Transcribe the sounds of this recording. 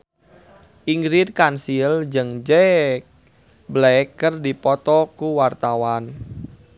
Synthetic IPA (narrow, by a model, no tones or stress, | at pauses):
ʔiŋɡɾirkansild͡ʒɨŋd͡ʒɛk̚ | blɛkərdipɔt̪ɔkuwart̪awan